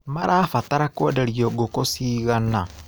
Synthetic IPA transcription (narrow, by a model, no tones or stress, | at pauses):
maɾʔafataɾakodeɾioɡokosiːɣana